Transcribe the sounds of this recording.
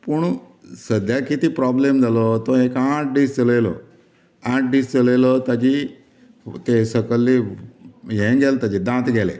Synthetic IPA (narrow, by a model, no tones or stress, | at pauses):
puɳ | səd̪ʱjakit̪iːpɾɔblemd͡zalɔt̪ɔ̃ekãʈ̚ɖiːst͡səlelɔ̰ | ãʈ̚ɖiːst͡səlelɔt̪ad͡ʑi | t̪esəkəlːi | jẽɡɛlt̪ad͡ʑid̪ãt̪ɡʱɛlḛ